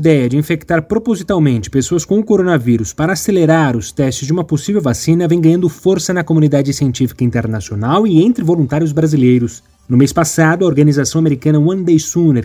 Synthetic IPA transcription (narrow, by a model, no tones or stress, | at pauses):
ɐid̪ɛjɐd͡ʒɪĩfekt̪aɾpɾopozit̪awmẽnt͡ʃɪ̥pesoɐskõw̃ʊkoɾonɐviɾʊspaɾɐaːseleɾaɾʊst̪ɛst͡ʃɪzd͡ʒɪũmɐposivewvasĩnɐvẽj̃ɡɐ̃ɲ̃ɐ̃nd̪ʊfoɾsɐnɐkomunid̪ad͡ʒɪsiẽnt͡ʃifi̥kɐĩnt̪eɾnasionawɪẽnt̪ɾɪvolũt̪aɾjʊzbɾazilejɾʊs | nʊmespasad̪ʊɐoɾɡɐnizasɐ̃w̃ameɾikɐ̃nɐwɐ̃nd̪ejsuneɾ